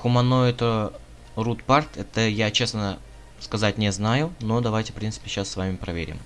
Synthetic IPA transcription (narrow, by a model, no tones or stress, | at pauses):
xʊmɐnoɛt̪ə | rut̪part̪ɛt̪əjat͡ɕe̞snə | skɐzatʲnʲɪznajʊno̞d̪ɐvajtʲɪ̥fpɾʲint̪sɨ̥pʲɪɕːasːvamʲɪpɾɐvʲḛɾʲɪ̰m